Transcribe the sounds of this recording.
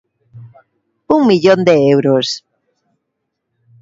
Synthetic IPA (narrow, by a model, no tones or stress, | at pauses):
uŋmiʎõnd̪eewɾos